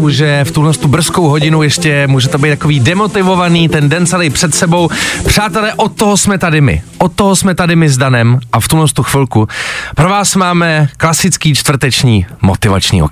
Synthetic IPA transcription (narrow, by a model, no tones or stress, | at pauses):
uʒɛft̪uɦlɛst̪ubr̩sko̞wɦoɟɪnujɛʃcɛmuːʒɛt̪obɛjt̪akoiːdɛmo̞t̪ɪvo̞vaniːt̪ɛndɛnt͡salɛɪpr̥ɛt̪sɛbo̞wpr̝̥aːt̪ɛlɛːʔot̪ːoɦosmɛt̪adɪmɪ̰ʔot̪ːoɦosmɛt̪adɪmɪzdanɛmʔaft̪ulɛnst̪uxvɪlkupɾovaːsmaːmɛklasɪt͡skiːt͡ʃt̪vr̩t̪ɛt͡ʃɲiːmo̰t̪ɪva̰t͡ʃɲḭːo̰